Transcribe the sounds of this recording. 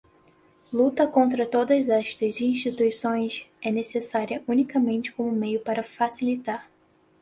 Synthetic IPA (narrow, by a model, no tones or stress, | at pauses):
lut̪ɐkõnt̪ɾɐt̪od̪ɐzɛʃt̪ɐziĩʃt͡ʃit̪uisõj̃sɛnesesaɾiɐʔunikɐmẽnt͡ʃɪ̥kõmʊmejʊpaɾɐfasilit̪aɾ